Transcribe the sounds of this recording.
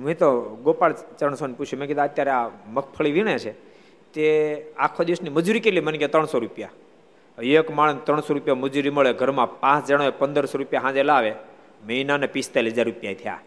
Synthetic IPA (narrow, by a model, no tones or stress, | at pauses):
mĩt̪oɡopaɭt͡ʃɾəɳ̃soniput͡ʃʰjumẽked̪ãət̪jaɾeaməkʰpʰəɭiʋiɳ̃et͡ʃʰe | t̪eakʰːod̪iʋəsniməd͡ʒuɾikeliməniket̪ɾəɳ̃soɾupja | ekmaɭ̃nt̪ɾəɳ̃soɾupjaməd͡ʒuɾiməɭeɡʱəɾmãpãt͡ʃd͡ʒaɽ̃oepənd̪əɾsoɾupjaɦãd͡ʒelaʋe | məinanepist̪aləd͡ʒaɾːupjait̪ʰəja̰